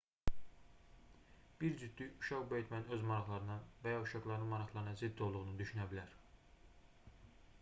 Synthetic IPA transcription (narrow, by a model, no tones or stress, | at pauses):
b̥iɾd͡ʒyd̪ːyuʃɑʁbejt̪mæninø̞zmɑɾɑχlˠɑɾɯnɑvæjɑuʃɑɡlˠɑɾɯnɯmɑɾɑχlˠɑɾɯnɑzid̪ːo̞lˠd̪uʁunud̪yʃynæbilæɾ